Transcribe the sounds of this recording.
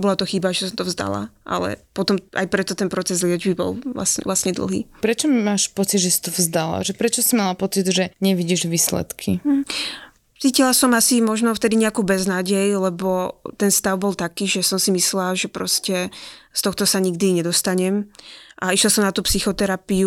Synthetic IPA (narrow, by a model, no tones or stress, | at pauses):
bɔlat̪ɔxibaʒɛsɔmt̪ɔvzd̪a̰la̰ʔa̰lɛ̰pɔt̪ɔmʔa̰jpɾɛt̪ɔt̪ɛnpɾɔt͡sɛzlɪɛd͡ʒbibɔ̰lʋla̰sɲɛ̰ʋlastɲɛd̪l̩ˠɦḭːpɾɛt͡ʃɔmaːʃpɔt͡sid̪ʒɛsi̥t̪ɔvzd̪ala̰ʒɛpɾɛt͡ʃɔsimalapɔt͡sid̪ʒɛɲɛʋiɟiʒʋiːslɛ̰t̪kʰim̩ | t͡siːcilasɔmasimɔʒnɔft̪ɛd̪iɲɛakuːbɛznaːɟɛjlɛbɔt̪ɛnst̪aʊbɔlt̪akiːʒɛsɔmsimislaʒɛpɾɔscɛst̪ɔxt̪ɔsaɲiɡ̚d̪iɲɛd̪ɔst̪aɲɛmʔaiʃlasɔmnat̪uːpsixɔt̪ɛɾapiu